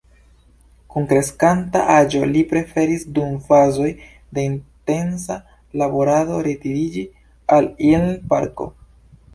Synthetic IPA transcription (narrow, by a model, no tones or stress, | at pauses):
kuŋkɾe̞skanta̰ʔad͡ʒo̞̰lipɾe̞fe̞ɾisdumfazo̞j | de̞inte̞ns̬a | labo̞ɾado̞ɾetiɾid͡ʒi | alilpaɾko̞̰